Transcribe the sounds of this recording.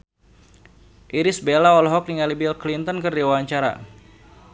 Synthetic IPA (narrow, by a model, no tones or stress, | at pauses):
ʔiɾisbelaɔlɔɦɔk̚niŋalibilklint̪ɔnkɨrdiwaɲt͡ʃaɾa̰